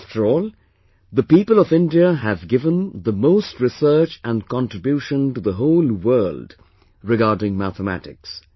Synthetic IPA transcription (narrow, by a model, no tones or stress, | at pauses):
ftʰə˞ɔːlˠ | ðəpiːpəlʌvɪ̃ndiəɨvɡɪvə̃nðəmoʊstɹɪsɜ˞t͡ʃə̃nkʰɑ̃ntɹ̥ɨbjuʃə̃ntuðəɦoʊlwɜːld̥ | ɹɪɡɑːdɪ̃ŋmæθəmæ̰tɪ̰ks